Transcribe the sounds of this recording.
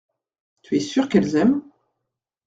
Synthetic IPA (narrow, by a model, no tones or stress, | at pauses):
t̪yɛsyʁkɛlzɛm